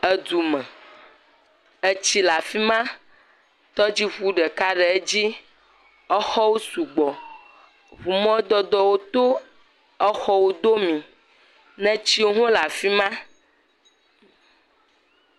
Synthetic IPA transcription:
ə˦d̪u˨mɛ̃˨ | e˦t͡ɕi˦la˨fi˦mã˦ | t̪ɔ˦d͡ʑi˦ɸu˦ɖɛ˨ka˦ɖɛ˨e˦d͡ʑi˦ | ɛ˦xɔ˦wo˦su˨ɡ͡bɔ˨ | βu˨mɔ̃˦d̪ɔ˦d̪ɔ˦wo˦t̪o˦ | ɛ˦xɔ˦wo˦d̪o˦mĩ˨ | nɛ̃˦t͡ɕi˦wo˦ɦõ˦la˨fi˦mã˦

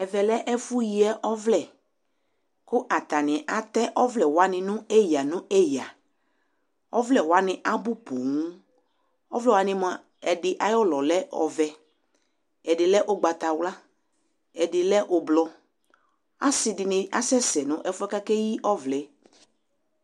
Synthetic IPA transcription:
ɛ˨vɛ˨lɛ˦ʔɛ˦fʊ˦ji˦ɛ˦ʔɔ˦vlɛ˨ | kʊ˦ʔa˨t̪a˨nɪ̃˨ʔa˨t̪ɛ˦ʔɔ˦vlɛ˨wa˨nɪ̃˨nʊ̃˦ɛ˦ja˨nʊ̃˦ɛ˦ja˨ | ɔ˦vlɛ˨wa˨nɪ̃˨ʔa˦bʊ˦po˨ŋũ˦ | ɔ˦vlɛ˦˨wa˨nɪ̃˦mʊ̃˨a˨ | ɛ˨dɪ˦ʔa˨jɔ˦lɔ˨lɛ˦ɔ̰˨vɛ˨ | ɛ˨dɪ˨lɛ˦ʔʊ˦ɡ͡ba˨t̪a˨wla˦ | ɛ˨dɪ˨lɛ˦ʔʊ˨blɔ˦ | a˦sɪ˨dɪ˨nɪ˦a˦sɛ˦sɛ˨nʊ̃˦ʔɛ˦fʊ˦ɛ˦ka˦kɛ˦ji˦ʔɔ˦vlɛ˨

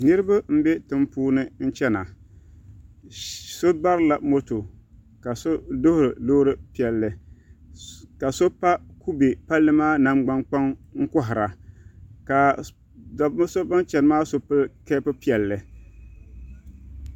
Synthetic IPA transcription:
nɨ˦ɾɨ˦ba˦m̩˦be˦tɨ˨mpuː˦nɨ˦n̩˦t͡ʃɛ˦na˨ | so˦ba˦ɾɨ˦la˨mo˦to˨ | ka˨so˦do˦hʊ˦ɾɨ˨do˦ɾɨ˦pi˦ɛ˨lːɨ˨ | ka˨so˦pa˦ku˦be˨pa˦lːɨ˦maː˦na˦mɡ͡ba˦ŋk͡pa˦ŋŋ̩˦kʊ˦ɦɪ˨ɾa˨ | ka˨ | da˨bm˦so˦ba˦nt͡ʃɛ˨n˨maː˦so˦pɨ˦lkɛː˦pɨ˦pi˦ɛ˨lːɨ˨

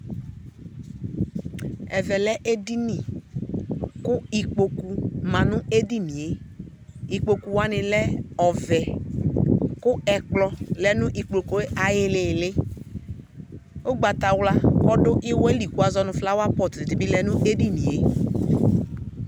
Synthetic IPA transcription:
ɛ˨vɛ˨lɛ˦ʔe˦di˦ni˨ | kʊ˦i˨k͡po˨ku˨mã˨nʊ̃˦e˦di˦nĩ˨e˦ | i˨k͡po˨ku˨wa˦nɪ̃˨lɛ˦ɔ˨vɛ˨ | kʊ˦ɛ˨k͡plɔ˦lɛ˨nʊ̃˦ʔi˨k͡plo˨ko˦e˦ʔa˨jɪ˨˦lɪ˨lɪ˦ | o˦ɡ͡ba˨ta˨wla˦kɔ˦dʊ˦ʔɪ˦wɛ˦li˨ku˦a˨zɔ˦nʊ̃˨fla˦wa˦pɔ˨tɪ˨dɪ˨bi˦lɛ˨nʊ̃˦ʔe˦di˦nḭ̃˨e˦

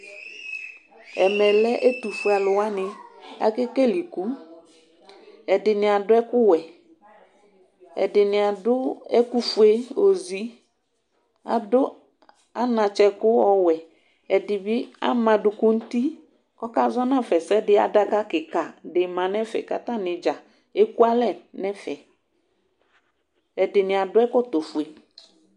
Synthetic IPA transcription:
ɛ˨mɛ˨lɛ˦ʔe˦tu˨fu˨˦a˨lʊ˨wa˦nɪ̃˨a̰˨ke˦ke˦li˨ku˦ | ɛ˨dɪ˨nɪ˨a˨dʊ˦ɛ˦kʊ˦wɛ˨ | ɛ̰˨dɪ˨nɪ˨a˨dʊ˦ɛ˦ku˦fu˦e˦o˨zi˨ | a̰˨dʊ˦ | a˦nã˨t͡ʃɛ˦kʊ˦ɔ˦wɛ˨ | ɛ˨dɪ˨bɪ˦a̰˦mã˨dʊ˨kʊ˦n̩˦t̪i˦ | kɔ˦ka˦zɔ˦nã˦˨fɛ˨sɛ˦dɪ˦a̰˨da˦ka˦kɪ˨ka˨dɪ˨mã˨nɛ̃˦fɛ̰˨ka˨t̪ã˦nɪ̃˨d͡ʒa˨ | e˦ku˦a˦lɛ˦˨nɛ̃˦fɛ˨ | ɛ˨dɪ˨nɪ̃˨a˨dʊ˦ɛ˦kɔ˦t̪o˨fu˨e˨

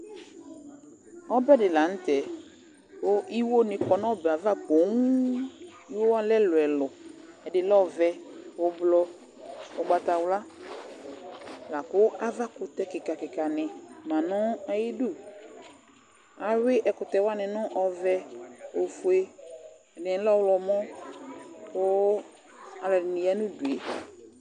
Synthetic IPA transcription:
ɔ˦bɛ˦dɪ˨la˨n̩˦tɛ˨ | o˦ʔi˦wo˦nɪ̃˨k͡pɔ˨nɔ̃˦bɛ˨a˨va˦k͡po˨˦ŋ˦ | i˦wo˦wa˦lɛ˦lʊ˨ɛ˨lɔ˨ | ɛ˨dɪ˨lɔ˦vɛ˧o˨blɔ˧ | o˨ɡ͡ba˨t̪a˨wla˦ | la˨kʊ˦ʔa˦va˦kʊ˨t̪ɛ˦kɪ˨ka˨kɪ˨ka˨nɪ˨mã˨nɔ̃˦a˦ji˦du˦ | a˨wɪ˦ʔɛ˨kʊ˨t̪ɛ˨wa˦nɪ̃˨nʊ̃˦ʔɔ˨vɛ˦o˨fu˨e˦ | ɛ˨nɪ˨˦lɔ˦wlɔ˨mɔ̃˦ | kʊ˦ | a˨lɔ˨ɪ˨nĩ˨ja˦nũ˦du˨e˨

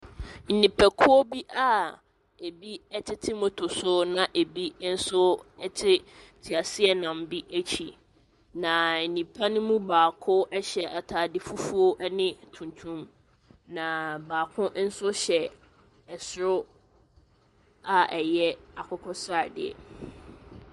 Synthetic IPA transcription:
n̩˨nĩ˨pʰɛ˨kʰʊ˦ɔ˦bi˦ʔa˦ | e˨bi˦ɛ˦tʰɪ˦tʰiɪ˦mo˨tʰʊ˨sʊ˦nã˨ʔe˨bi˦n̩˦sʊ˦ɛ˦tʰɪ˦tʰi˨a˨sɪ˦ɛ˨nã˨m˦bi˦ʔæ˦t͡ɕʰi˨ | nã˨n̩˨nĩ˨pʰa˦nʊ̃˦mũ˦baː˨kʰʊ˦ʔɛ˦ɕɛ˨ʔa˨tʰaː˨dɪ˦fu˦fu˦o˦ʔɛ˦nɪ̃˦tʰũ˨ntʰũ˦m | nã˨baː˨kʰʊ̃˦n̩˦sʊ˦ɕɛ˨ | ɛ˨sɾʊ˦ | a˨ʔɛ˨jɛ˦a˨kʰʊ˦kʰɔ˦sa˦˨dɪ̰˨ɛ̰˨

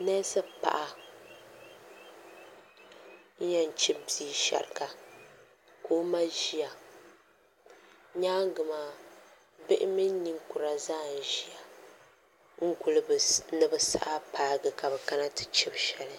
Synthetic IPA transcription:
nɛ˦sɨ˦pa̰˨ʔa˦ | ɲ˦ɲa˦n˨t͡ʃi˦biː˦ʃa̰˨ɾɨ˨ka˨ | koː˦ma˦ʒi˦ja˨ | ɲaː˦ŋ˦ɡɨ˨maː˨ | bɪ˦ʔɪ˦mi˦n˦ni˦ŋkʊ˨ɾa˨zaː˦˨n˨ʒi˦a˨ | ŋ̩˦ku˦lɨ˦bnɨ˦bɨ˦sa̰˦ʔa˦paː˦ɡɨ˨ka˨bɛ˨ka˦na˦tɨ̥˨t͡ʃɪ˦bʃɛ˨lɨ˦

